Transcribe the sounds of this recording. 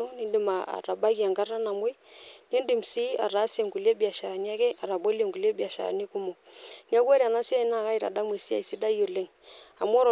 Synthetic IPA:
ɔ˦ni˦ndi˨ma˨a̰˨ɾa˨ba˦ki˨a˨ŋɡa˦ɾa˦na˨m˦e˦n˦e˦ndi˨m̩˨si˦a̰˨ɾa˨˦se˨ŋɡu˨le˦bi˨a˨ʃa˨ɾa˨ni˦a˦kɛ˦ʔa˨ɾa˨ɓɔ˦le˨ŋɡu˨le˦bi˦a˨ʃa̰˨ɾa̰˨ni˦ku˦mo˨ | ni˦a˦kwɛ˦ɾi˨a˨na˦si˦a˦i˨˦na˦˨ka˦i˨ɾa̰˨ɗa˦mwe˨si˦a̰˨i˨si˦da˦jo˨le˦ŋ | a̰˨mwɔ˦ɾɔ˨

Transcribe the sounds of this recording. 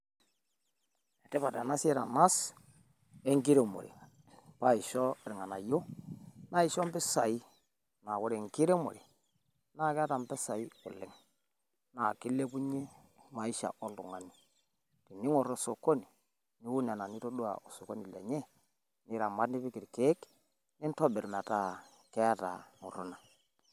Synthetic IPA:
ɛ˨tɛ˦pa˨ta˨na˦sɛ˦ɾa˨na˦s | e˦ŋɡi˦ɾe˨mo̰˨ɾḛ˨ | pa˦i˨ʃɔ˦e˨ɾŋa˨na˨jo˦na˦i˨ʃɔ˦mbɪ˦sa˨i˦ | na˨ko˦ɾe˨ŋ˨ki˦ɾe˦mo̰˨ɾe˨ | na˦˨ka˦ta˨mbɛ˦sa˨i˦ʊ̰˨lɪ˦ŋ | na˨ki˦le˦pu˦ɲe˦ | ma˨i˦ʃa̰˨ʔo˦lu˨ŋa˨ni˨ | ti˨ni˦ŋɔ˨ɾo˦˨so˨ko˦ni˨ | ni˦wu˦ɲa˨na˨ni˦to˦du˦a̰˨ʔo˨so˨ko˦ni˨lɛ̰˨ɲɛ˦ | ni˦ɾa˨ma˦ni˦pi˦ki˨ɾke˦k | ni˦n˦tɔ˦bɪ˨ɾma˨ta˦˨ | kɛ˦a˦ta̰˨ŋṵ˨ɾu˦na˨

